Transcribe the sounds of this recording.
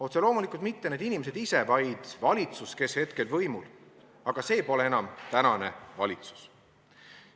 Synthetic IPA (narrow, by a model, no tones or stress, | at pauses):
ot̪selo̞ːmulikˑult̪̚mit̪ːe̞ne̞ːd̪inime̞s̬e̞d̪ise̞vɑjd̪̥vɑlʲit̪suske̞she̞t̪ke̞lvɤ̞jmul | ɑɡ̥ɑse̞ːjpo̞le̞e̞nɑmt̪ænɑne̞vɑ̰lʲit̪su̥s